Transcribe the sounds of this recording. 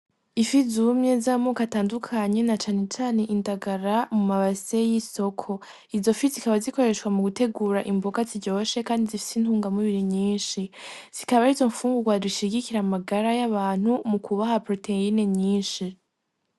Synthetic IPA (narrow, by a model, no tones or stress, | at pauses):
ifizumɲe̞zamokataːndukʰaɲe̞nat͡ʃaːne̞t͡ʃaːne̞ʔindaɡaɾamumaβase̞jiso̞kʰo̞ | izo̞fizikaβaziko̞ɾe̞ʃwamuɡute̞ɡuːɾaʔimboɡaziɟo̞ːʃe̞kaːndizifi̥sintuːŋɡamuβiɾiɲiːnʃiz̥ikaβaizo̞ɱfuːŋɡuɡwadiʃiɡikiɾamaɡaɾajaβaːn̥humukʰuβahapɾo̞teine̞ɲiːnʃi